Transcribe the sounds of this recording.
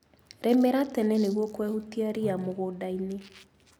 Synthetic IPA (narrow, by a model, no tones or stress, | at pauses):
ɾɛmɛɾatɛnɛneɣwɔkwɛhutiaɾiamoɣodaine